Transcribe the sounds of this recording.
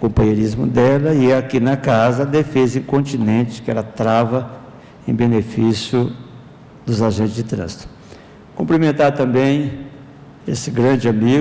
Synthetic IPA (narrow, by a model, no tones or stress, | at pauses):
kõpɐ̃ɲeɾizmʊ̰d̪ɛlɐɪakinɐkazɐːd̪efezẽkõnt͡ʃinẽt͡ʃɪ̥kɪɛ̰ɾɐt̪ɾavɐ | ḛ̃j̃benefisjʊ | d̪ʊzaʒẽnt͡ʃ̪ɪzd͡ʒɪt̪ɾɐ̰̃zɪt̪ʊ̥ | kõplimẽnt̪aɾt̪ɐ̃mbẽj̃ | esɪɡɾɐ̃d͡ʒɪami